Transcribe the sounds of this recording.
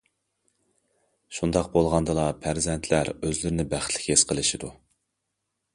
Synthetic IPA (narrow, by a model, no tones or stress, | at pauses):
ʃund̪ɑqbolˠʁɑnd̪ɨlˠɑpʰæɾzɛnt̪ʰlæɾøzlɪɾɪnɪbæχt̪ʰlɪ̥kʲesqʰəlˠɨʃid̪u